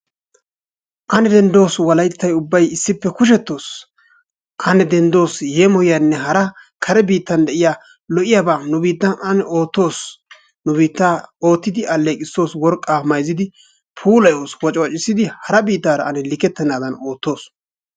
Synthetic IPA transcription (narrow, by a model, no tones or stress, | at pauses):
ʔɐnɛd̪ɛnd̪o̞ːswɐlɐjt̪ːɐjʊbːɐjɪsːɪpːɛkʊʃ̬ɛt̪ːo̞ːs | kʰɐnɛd̪ɛnd̪o̞ːsjeːmɔjɪjanːɛɦɐɾɐ | kʰɐɾɛbiːt̪ːɐnd̪ɛʔɪjaː | lɔʔɪjaːbaːnʊbiːt̪ːɐnɐnɛo̞ːt̪ːo̞ːs | nʊbiːt̪ːaːo̞ːt̪ːɪd̪ɪʔɐlːeːkʼɪsːo̞ːswɔɾkʼːaːmɐjzɪd̪ɪ | pʰuːlɐjoːswɔt͡ʃʼwɐt͡ʃʼːɪsːɪd̪ɪhɐɾɐbiːt̪ːaːɾɐɐnɛlɪkːɛt̪ːɛnːaːd̪ɐno̞ːt̪ːo̞ːs